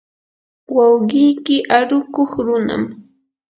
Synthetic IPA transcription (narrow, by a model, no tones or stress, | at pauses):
wawɢɪjkɪʔaɾʊkoχɾʊna̰m